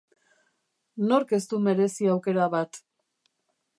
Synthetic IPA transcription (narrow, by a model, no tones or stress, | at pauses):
no̞ɾke̞st̪ume̞ɾe̞siawke̞ɾaβat̪